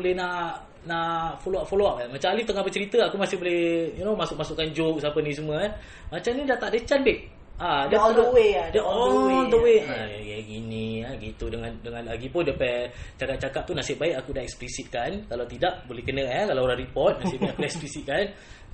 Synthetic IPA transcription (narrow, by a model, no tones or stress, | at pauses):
olɛnaʔ | naʔfoloaʔ̚foloaʔamat͡ʃaalift̪əŋahbət͡ʃəɾit̪əakumasɪhbolɛjunomasʊk̚masukːand͡ʒok̚sapənĩs̬əməɛ | mat͡ʃamnidaʔt̪aʔdət͡ʃanbɪk̚ | adawedaɔnd̪əweajaɛɡiniaɡit̪udəŋandəŋanlaɡipʊndapɛt͡ʃakap̚t͡ʃakap̚t̪unaʔsiəʔbaikakudaʔɛksplisit̪̚kankalawt̪idaʔ̚bolɛhkənəɛkalaoɾanripɔt̪̚nasibɛʔplɛksplisit̪̚kan